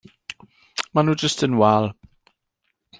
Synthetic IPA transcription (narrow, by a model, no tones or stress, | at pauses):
manuːd͡ʒəstʰənwalˠ